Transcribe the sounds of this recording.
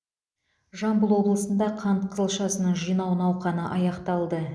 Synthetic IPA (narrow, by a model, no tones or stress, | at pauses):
ʒɑmbəlˠwo̞blˠəsənd̪ɑqʰɑnt̪qʰəzəlˠʃɑsənəɴʒijnɑwənɑwqɑnəʔɑjɑqt̪ɑlˠd̪ə